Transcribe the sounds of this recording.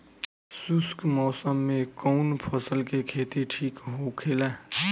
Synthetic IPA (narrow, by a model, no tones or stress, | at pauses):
sʊskmɔːsəmːẽkɔːnpʰəsəlkekʰeːt̪eʈʰiːkɦokʰeːlaː